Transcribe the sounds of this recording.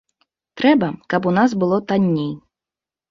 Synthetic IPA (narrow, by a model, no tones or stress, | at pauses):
t̪ɾɛbɐkɐpunaz̬bɨlˠɔt̪anʲːej